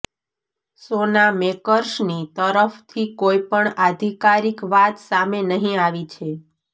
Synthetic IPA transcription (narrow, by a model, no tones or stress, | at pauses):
sonamekəɾʃnit̪əɾəft̪ʰikoipəɳad̪ʱikaɾikʋat̪samenəɦĩaʋit͡ʃʰe